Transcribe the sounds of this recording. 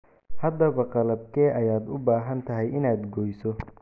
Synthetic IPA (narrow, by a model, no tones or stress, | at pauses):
hɐd̪ɐβɐqɑlɐb̚kʰɛːʔɐjaːd̪ʊbaːɦɐnt̪ʰɐɦɛjɪnaːd̪ɡɔːjsɔ